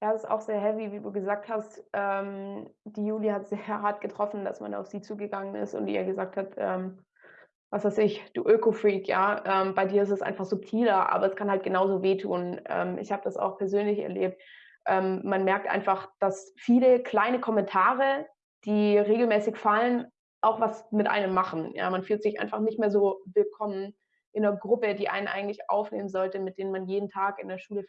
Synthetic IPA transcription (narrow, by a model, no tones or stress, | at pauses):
d̥aːsɪsta̰ʊxz̥eːɐɦɛviviːduːɡəzaːk̚thastʔɛːmd̥iːjuːlihatz̥eːɐɦaɐt̚ɡ̥ətʁ̥ɔfn̩da̰sma̰na̰ʊfz̥iːt͡suːɡəɡaŋənɪ̰stʊ̰ntḭːɐɡəzaːk̚thatʔɛːm | vasv̥aɪsɪçd̥ṵːʔøːkofʁiːkja̰ːʔɛːmbaɪdiːɐɪstɛsʔa̰ɪnfaχz̥ʊp̚tʰiːlɐʔa̰ːbɐɛskʰanhalt̚ɡ̥ənaʊzoːveːtʰuːnʔɛ̰ːmʔɪ̰çhaːbədasa̰ʊxpʰɛɐzøːnlɪçɛ̰ɐleːp̚t̚ | ʔɛːmːanmɛɐk̚tʔa̰ɪnfaχd̥asfiːləkl̥aɪnəkʰɔmɛntʰaːʁ̞ə | d̥iːʁeːɡl̩mɛːsɪçfalən | ʔaʊxv̥asmɪtʔa̰ɪnəmːaχn̩ja̰ːmanfyːltz̥ɪçʔa̰ɪnfaχnɪçtmeːɐzoːvɪlkʰɔmən | ʔɪnɐɡʁʊpədiːʔa̰ɪnənʔa̰ɪɡŋ̩tlɪçʔa̰ʊfneːmənzɔltəmɪt̚d̥eːnənmanjeːdn̩tʰaːkɪ̰ndeːɐʃuːlə